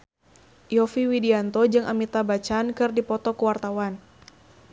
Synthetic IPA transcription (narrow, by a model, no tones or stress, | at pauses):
jɔfiwidiant̪ɔd͡ʒɨŋʔamit̪abat͡ʃankɨrdipɔt̪ɔkuwart̪awan